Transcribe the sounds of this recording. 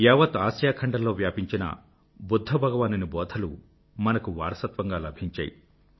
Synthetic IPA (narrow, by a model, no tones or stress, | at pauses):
jɛːʋɐt̪aːsjaːkʰɐɳɖɐlːo̞ːʋjaːpiɲt͡ʃinɐ̰ | bud̪ʱːɐbʱɐɡɐʋaːninibɔːd̪ʱʰɐlu | mɐnɐkuʋa̰ːɾɐsɐt̪ʋɐŋɡaːlɐbʱiɲt͡ʃa̰ːji